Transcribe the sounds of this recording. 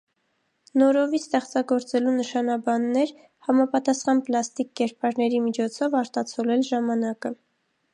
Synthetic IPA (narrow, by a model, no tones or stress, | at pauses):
nɔɾɔvist̪ɛχt͡sɑɡɔɾt͡sɛlunəʃɑnɑbɑnːɛɾ | hɑmɑpɑt̪ɑsχɑnplɑst̪ikːɛɾpɑɾnɛɾimit͡ʃʰɔt͡sʰɔvɑɾt̪ɑt͡sʰɔlɛlʒɑmɑnɑkə